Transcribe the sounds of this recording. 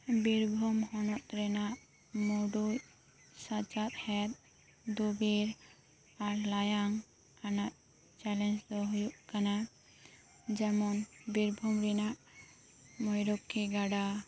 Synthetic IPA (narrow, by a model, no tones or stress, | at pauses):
biɾbʱɔmhɔnɔt̪̚ɾɛnaʔ | moɖu | sat͡ʃat̪̚hɛt̪̚ | d̪ubiɾ | aɾlajaŋ | kanaʔ̪ | t͡ʃɛlɛnd͡ʒd̪ɔɦujuʔkana | d͡ʒɛmɔnbiɾbʱɔmɾɛnaʔ | mɔjɾɔkʰːiɡaɖa